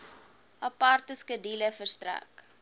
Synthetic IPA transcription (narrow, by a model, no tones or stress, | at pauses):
ɐpɐrtəskədiləfərstræ̰k